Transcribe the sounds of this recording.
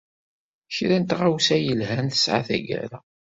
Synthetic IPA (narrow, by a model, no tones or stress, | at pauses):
çɾænt̪ʁawsæjəlhænθə̥sʕa̰θæ̰ɡæ̰ɾæ